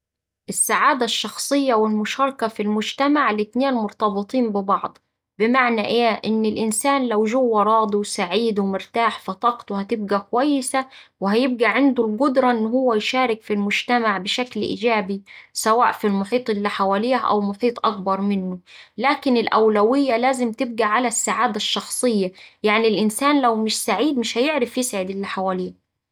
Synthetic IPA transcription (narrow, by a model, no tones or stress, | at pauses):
ʔɪsːaʕaːd̪æʃːɑxsˤɨjːɑwɪlmʊʃɑːɾˤkɑfilmʊd͡ʒt̪amaʕlɪt̪neːnmʊɾt̪ɑbɨt̪ˤiːmbɪbɑʕd̪ˤ | bɪmaʕnæʔeːʔɪnːɪlʔɪnsaːnlæwʒʊwːɑɾˤɑːd̪ˤiwsaʕiːd̪wɪmʊɾt̪aːħfɑt̪ˤɑqt̪whæt̪ɪb̚ɡækʊwæjːɪsæwɪɦæjɪb̚ɡæʕɪnd̪ʊlɡʊd̪ɾˤɑʔɪnːhʊwːæjʃæːɾɪkfilmʊd͡ʒt̪æmaʕbɪʃæklʔḭːd͡ʒæːbisæwa̰ːʔfilmʊħiːt̪ˤʔɪlːiħawæliːhʔæ̰wmʊħiːt̪ˤʔɑk̚bɑɾˤmɪnːʊlæːkɪnɪlʔæwlæwɪjːælæːzɪmt̪ɪb̚ɡæʕalæsːaʕaːd̪æʃːɑxsˤɨjːæjaʕnilʔɪnsæːnlæwmɪʃsaʕiːd̪mɪʃhæjɪʕɾɪfjɪsʕɪd̪ɪlːiːħawæliːh